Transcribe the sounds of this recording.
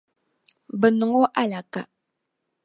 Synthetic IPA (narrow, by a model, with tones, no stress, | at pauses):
bə˨nə˨ŋo˦ʔa˦la˨ka̰˨